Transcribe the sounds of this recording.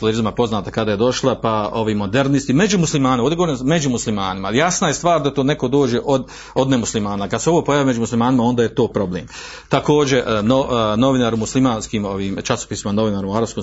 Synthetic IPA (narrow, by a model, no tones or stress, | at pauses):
t̪eleɾizmapo̞znaːt̪akad̪aje̞d̪o̞ʃlˠapao̞ʋiːmo̞d̪e̞ɾnist̪ime̞d͡ʑumuslimaːneod̪eɡooɾnme̞d͡ʑumuslimaːnimaijasnaje̞st̪ʋaːɾd̪at̪oːne̞ko̞d̪o̞ːd͡ʒe̞ʔod̪ | od̪nemuslimaːnakad̪seo̞ʋo̞ːpo̞jaːʋime̞d͡ʒumuslimaːnimao̞nd̪aːje̞t̪o̞ːpɾo̞blḛːm | t̪ako̞ːd͡ʑe̞ʔnono̞ʋinaːɾumuslimaːnskiːmo̞ʋiːmt͡ʃaso̥piːsimano̞ʋinaːɾumuaɾapskom